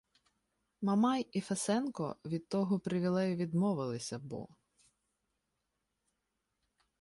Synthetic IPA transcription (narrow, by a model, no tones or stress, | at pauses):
mɐmɑjifesɛnkɔ̰ʋʲid̪̚t̪ːɔɦɔpɾɪʋʲilˠɛjʊʋʲid̪mɔʋɪlˠɪsʲɐbɔ̰